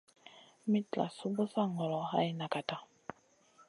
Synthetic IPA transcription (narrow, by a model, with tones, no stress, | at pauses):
mi˦tla̰˨su˦bu˦sa˦ŋɔ˨lɔ˨ha˦jna˨ka˨ta˦